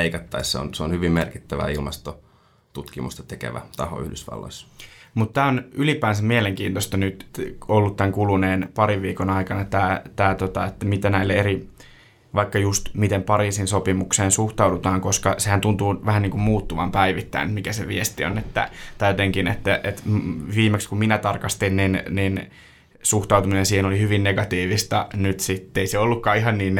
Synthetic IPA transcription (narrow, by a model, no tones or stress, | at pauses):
eikɑt̪ːɑisseo̰nseonhyʋimmerkit̪ːæʋæ̰ilmɑst̪o | t̪ut̪kimṵst̪ɑ̥t̪ekḛʋæ̰t̪ɑho̰y̰hdysʋɑ̰lːo̰isːmut̪t̪æːonylipæːnsæmmieleŋkiːnt̪ost̪ɑnyt̪olːut̪t̪æŋkuluneːnpɑɾiʋʋiːkonɑikɑnɑt̪æːt̪æːt̪ot̪ɑet̪ːæmit̪ænæilːeeɾi | ʋɑikːɑjust̪mit̪empɑɾiːsinsopimukseːnsuht̪ɑudut̪ɑːŋkoskɑsehænt̪unt̪uːʋæhænniːŋkummuːt̪ːuʋɑmpæiʋit̪ːæ̰ḭnet̪mikæseʋiest̪io̰net̪ːæ̰t̪ɑjot̪eŋkinḛt̪ːæʔet̪ʋiːmekskumminæt̪ɑrkɑst̪inninnin | suht̪ɑwt̪uminensiːhenolihyʋinneɡɑt̪iːʋist̪ɑnyt̪sit̪ːeiseolːukːɑːiɦɑnniːn